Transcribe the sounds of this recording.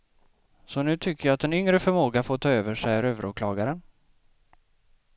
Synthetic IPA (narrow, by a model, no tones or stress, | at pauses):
sɔnʉ̟ːt̪ʰʏkːəɾjɑːt̪ɛnʏŋɾəfœɾmoːɡafoːt̪ʰɑːøːvəʂɛjæɾøːvəɾuːkʰlɑːɡaɾən